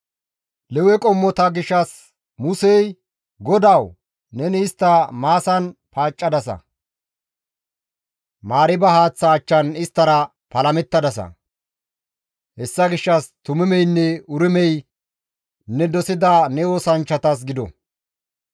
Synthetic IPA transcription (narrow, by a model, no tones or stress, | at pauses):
lɛwɛkʼɔmːɔt̪ɐɡɪʃːɐs | mʊsɛj | ɡɔd̪ɐw | nɛnɪːɪst̪ːɐmaːsɐnpaːt͡ʃʼːɐd̪ɐsɐ̰ | maːɾɪbɐhaːt͡sːaːt͡ʃːɐnɪst̪ːɐɾɐ | pɐlɐmɛt̪ːɐd̪ɐsɐ̰ | hɛsːɐɡɪʃːɐst̪ʊmɪmɛjnːɛʊɾɪmɛj | nɛd̪ɔsɪd̪anɛoːsɐnt͡ʃːɐt̪ɐs̬ɡɪd̪ɔ̰